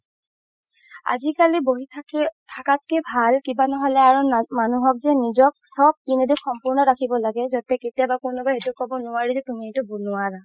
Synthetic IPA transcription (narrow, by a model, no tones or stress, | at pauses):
a̰zikaliboɦitʰakat̚kɛbʱalkibanɔɦɔlɛaɹumanuɦɔk̚zɛnizɔk̚sɔb̚tinedixɔmpuɹnɔɹakʰibɔlaɡɛzɔtɛketijabakʊnɔbaɦetukɔbɔnʊaɹizɛtumitʊbunʊaɹa